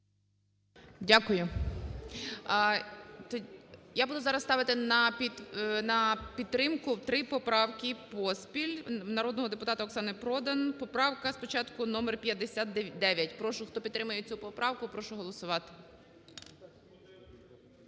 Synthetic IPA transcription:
dʲakʊjʊ | t̪jabud̪ʊzɑɾɐst̪ɑʋɪt̪ɪnɐpʲinɐpʲit̪ːɾɪmkʊwt̪ɾɪpɔpɾɑwkʲipɔspʲilʲnɐɾɔd̪nɔɦɔd̪epʊt̪ɑt̪ɐɔksɑnɪpɾɔd̪ɐnpɔpɾɑwkɐspɔt͡ʃɑt̪kʊnɔmerpʲjɐd̪esʲat̪d̪ɛʋʲjɐtʲpɾɔʃʊxt̪ɔpʲit̪t̪ːɾɪmʊjet͡sʲupɔpɾɑwkʊpɾɔʃʊɦɔlˠɔsʊʋɑt̪ɪ̥

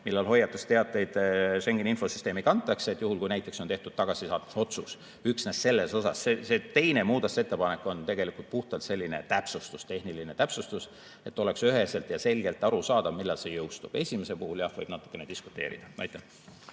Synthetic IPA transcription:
milːɑlho̞jːɑt̪ːˑust̪e̞ɑt̪ːˑe̞jd̪ʃe̞ŋɡ̥eninfo̞sy̥st̪e̞ːmikɑnt̪ːˑɑkseet̪ːˑjuhulkujnæjt̪ːˑe̞kso̞neht̪ud̪̥̚t̪ɑɡ̥ɑsisɑːt̪ːu̥so̞t̪sus | yksnesse̞lːe̞so̞sɑ̰sːese̞t̪e̞jne̞muːd̪ɑt̪se̞t̪ːe̞pɑne̞kːˑo̞nt̪e̞ɡe̞likult̪̚puht̪ɑlt̪se̞lʲːine̞̰t̪æpsust̪ust̪e̞hniline̞t̪æpsust̪us | e̞t̪ːˑo̞le̞ksyɦe̞se̞lt̪jɑse̞lʲɡe̞lt̪ːˑɑɾusɑːd̪ɑvmilːɑlse̞jɤwst̪ub̥e̞sʲimese̞lpuhuljɑhvɤjb̥̚nɑt̪ːˑu̥kːˑe̞ned̪̥isku̥t̪ːˑe̞̰ːɾḭd̪̥ɑnɑjt̪ːˑen

